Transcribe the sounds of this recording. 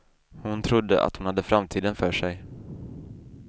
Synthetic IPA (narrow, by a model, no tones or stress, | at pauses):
hʊnt̪ʰɾʊd̪ːə̰ʔa̰t̪hʊnhad̪ːəfɾamt̪ʰiːd̪ənfœːʂɛj